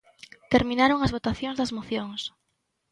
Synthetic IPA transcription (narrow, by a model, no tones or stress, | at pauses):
t̪eɾmĩnaɾoŋɐzβot̪aθjõŋzðɐzmoθjoŋs